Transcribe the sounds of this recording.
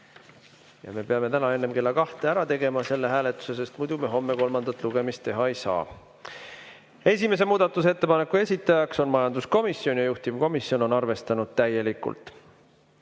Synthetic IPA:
jɑ̰me̞pe̞ɑme̞t̪ænɑe̞nːe̞mke̞lːɑkɑht̪eæɾɑt̪e̞ɡ̥e̞mɑse̞lːe̞ɦæːle̞t̪ːˑu̥se̞sest̪mujd̪̥umeɦo̞mːe̞ko̞lmɑnd̪ɑt̪ːˑluɡ̥e̞mist̪ːe̞ɦɑe̞jsɑ̰ː | e̞s̬ʲime̞s̬e̞muːd̪̥ɑt̪ːˑuse̞t̪ːe̞pɑne̞kːˑue̞sʲit̪ːˑɑjɑkso̞nmɑjɑnd̪̥usko̞misjo̞njɑjuht̪ivko̞misjo̞no̞nɑrve̞st̪ɑnud̪̥̚t̪æje̞likːˑṵlt̪ˑ

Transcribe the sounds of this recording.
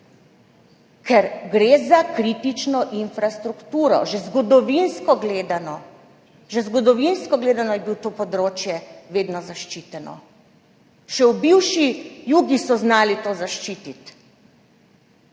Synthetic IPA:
kʰɛɾɡɾeːzakɾit̪it͡ʃnɔʔinfɾast̪ɾukt̪uːɾɔ̰ʒɛzɡɔd̪ɔʋinskɔɡleːd̪anɔ | ʒɛzɡɔd̪ɔʋinskɔɡleːd̪anɔjɛbiwt̪oːpɔd̪ɾoːt͡ʃjɛʋeːd̪nɔzaʃt͡ʃit̪ɛnɔ̰ | ʃɛubiwʃijuːɡisɔznaːlit̪oːzaʃt͡ʃiːt̪it̪

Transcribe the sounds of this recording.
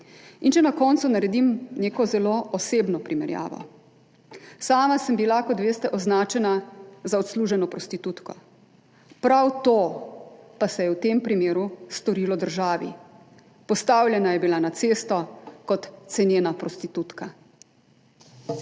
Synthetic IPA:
int͡ʃɛnakɔnt̪sunaɾɛd̪imneːkɔzɛloʔɔseːbnɔpɾimɛɾja̰ːʋɔ̰ | saːmasəmbilakɔt̪ʋeːst̪ɛʔɔznaːt͡ʃɛnazaɔt̪sluːʒɛnɔpɾɔst̪it̪ut̪kɔ | pɾawt̪o | pasɛjɛwt̪empɾimeːɾust̪ɔɾiːlɔd̪əɾʒaːʋḭ | pɔst̪awlʲjɛnajɛbilanat̪seːst̪ɔkɔt̪ːsɛnjeːnapɾɔst̪it̪ut̪ka

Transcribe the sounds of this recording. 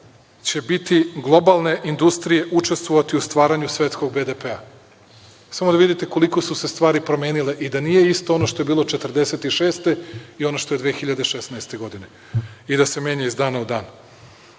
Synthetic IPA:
t͡ɕe̞bit̪iɡlˠo̞balˠne̞ʔind̪ust̪ɾije̞ʔut͡ʃe̞st̪ʋoʋat̪iust̪ʋaːɾaɲusʋʲe̞t̪sko̞ɡ̚bed̪epea | samo̞d̪aʋid̪it̪eko̞liko̞suse̞st̪vʋaːɾipɾo̞meːnileʔid̪anije̞ist̪o̞ono̞ʃt̪o̞je̞biːlˠo̞t͡ʃet̪r̩d̪e̞se̞t̪iʃeːst̪e̞io̞noʃt̪o̞jed̪ʋexiʎad̪eʃesnaest̪e̞ɡo̞d̪ine̞ | id̪ase̞me̞ɲaizd̪aːnaud̪aːn

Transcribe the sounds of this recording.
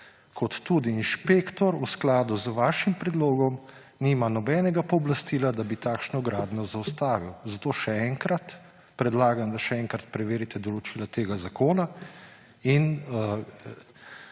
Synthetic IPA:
kʰɔt̪ːuːd̪iːnʃpeːkt̪ɔɾusklaːd̪uzəʋaːʃimpɾɛd̪loːɡɔm | niːmanɔbɛːnɛɡapɔːblast̪iːlad̪abit̪aːkʃnɔɡɾaːd̪nɔzawst̪aːʋiwzat̪oːʃɛɛŋkɾat̪ | pɾɛd̪laːɡamd̪aʃɛɛŋkɾat̪pɾɛʋeːɾit̪ɛd̪ɔlɔt͡ʃiːlat̪eːɡazakoːna | in

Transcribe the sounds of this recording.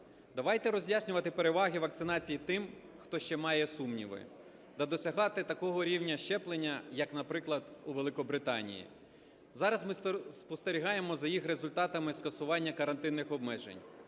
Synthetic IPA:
d̪ɐʋɑjt̪ɛɾɔzʲjasʲnʲʊʋɐt̪ɪpe̞ɾeʋɑɦʲiʋɐk̚t̪sɪnɑt͡sʲijit̪ɪm | xt̪ɔʃt͡ʃɛmɑjɛsumnʲḭʋɪ̰ | d̪ɐd̪ɔsʲɐɦɑt̪ɪt̪ɐkɔɦɔɾʲiwnʲɐʃt͡ʃɛplˠenʲːɐjɐknɐpɾɪklˠɐd̪uʋelˠɪkɔbɾɪt̪ɑ̰nʲḭjḭ | zɑɾɐzmɪsspɔst̪eɾʲiɦɑjemɔzɐjixɾezʊlʲt̪ɑt̪ɐmɪskɐsʊʋɑnʲːɐkɐɾɐnt̪ɪnːɪxɔbmɛʒḛnʲ

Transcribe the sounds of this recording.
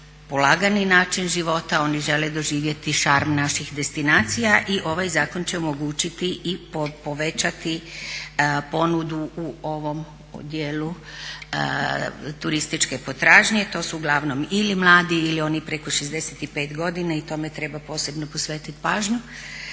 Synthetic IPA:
polˠaːɡaninaːt͡ʃinʒiʋo̞t̪ao̞niʒe̞led̪o̞ʒiːʋje̞t̪iʃaɾmnaʃixd̪e̞st̪inaːt̪sijaʔiʔo̞ʋajzaːko̞nt͡ɕeomo̞ɡuːt͡ɕit̪iʔipopoʋet͡ɕat̪i | po̞nud̪uuoʋo̞m | o̰d̪jeːlu | t̪uɾist̪it͡ʃkepo̞t̪ɾaːʒɲe̞t̪o̞ːsuuɡlˠaʋno̞milimlˠaːd̪iilio̞nipɾe̞ko̞ʃezd̪eset̪ipeːt̪ɡo̞d̪inait̪o̞me̞t̪ɾe̞bapo̞ːse̞bnopo̞sʋeːt̪it̪paːʒɲu

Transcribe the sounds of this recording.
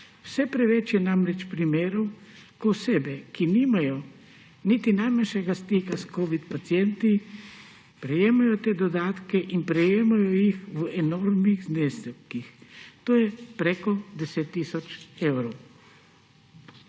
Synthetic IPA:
wsɛpɾɛʋɛt͡ʃjɛnamɾɛt͡ʃpɾimeːɾɔw | koseːbɛkiniːmajɔ | nit̪inajmanʃɛɡast̪iːkaskoːʋit̪pat̪sjɛnt̪i | pɾɛjeːmajɔt̪eːd̪ɔd̪aːt̪kɛʔinpɾɛjeːmajɔjixʋɛnɔɾmniɣzneːskixt̪oːjɛpɾɛkɔd̪ɛset̪ːiːsɔt͡ʃewɾɔw

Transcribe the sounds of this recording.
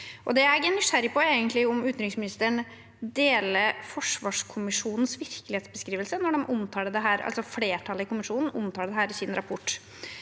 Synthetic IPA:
ʔɔd̪ɛæɾɡɛnːʏʂæɾɪpʰɔeːɡənt̪lɪʊmʉːt̪nɾɪŋsmɪnɪst̪əɳ | d̪eːləfɔʂʋɑːʂkʰʊmɪʂuːnn̩sʋɪɾklɪheːt̪sbəskɾiːʋəlsənɔɖɛmʔʊmt̪ʰɑːɖɛd̪ɛɦæːɾɑ̰lsɔfleːʈʰɑləɪkʊmɪʂuːnn̩ʊmt̪ʰɑːɖɛd̪ɛɦæːɾɪsɪnɾɑpʰʊʈː

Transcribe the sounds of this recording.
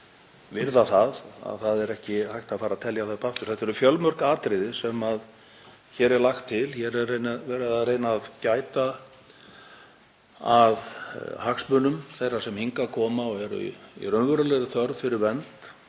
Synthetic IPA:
vɪɾðaθaða̰ðθaðɛɾɛhcɪhajht̪aðfaːɾaðt̪ʰɛljaθaðpʰaft̪ʏɾ̥θɛht̪ɛɾʏfjœlmœɾkaːt̪ɾɪðɪsɛmað | çɛːɾɛɾlaxt̪ʰːɪlçɛɾɛðejnavɛɾaðaðrejnaːðcaːjt̪a | aðhaksmʏnʏmθejrasɛmhiŋkakʰɔːmaɔɣɛɾʏ̰ḭrœnvœɾʏlɛjɾɪθœɾðfɪɾɪɾvɛnt̪

